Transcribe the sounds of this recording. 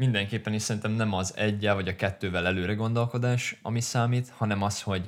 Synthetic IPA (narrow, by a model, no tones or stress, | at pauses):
mind̪ɛŋkeːpːɛniʃsɛɾint̪ɛmnɛmɒzɛɟːɛlvɒɟɒkɛt̪ːøːvɛlɛløːɾɛɡo̞nd̪o̞lko̞d̪aːʃɒ̰misaːmiːt̪hɒnɛmɒsho̞ɟ